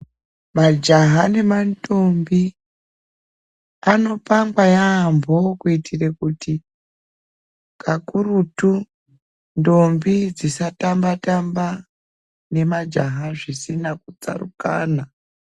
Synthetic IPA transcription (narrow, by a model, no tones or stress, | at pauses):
mad͡ʒaɦane̞manto̞mbi | ano̞paŋɡwajaːmbo̞kuitʰirekuti | kʰakuɾutu | ndo̞mbid͡zisatambatamba | ne̞mad͡ʒaɦaʐisinakut͡sa̰rṵka̰ːna